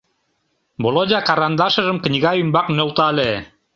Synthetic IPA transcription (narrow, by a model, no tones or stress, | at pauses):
bolˠod̪ʲɑkɑɾɑnd̪ɑʃɤ̆ʒɤ̆mknʲiɣɑjumbɑqneŏlˠt̪ɑlʲe